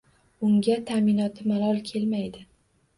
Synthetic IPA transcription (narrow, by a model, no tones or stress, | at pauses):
ʊŋɡʲat̪ʰaminɒt̪ʰɪmalˠɒlˠkʲʰe̞lmajd̪ɪ